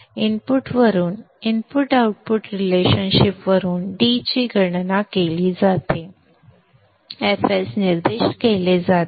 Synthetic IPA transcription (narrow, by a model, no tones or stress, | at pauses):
inpuʈʋəɾuːn | inpuʈauʈ̚puʈɾileɕənɕipʋəɾuːnɖit͡ɕiːɡʱəɳnakeliːd͡zat̪e | efesniɾd̪eɕʈkeled͡zat̪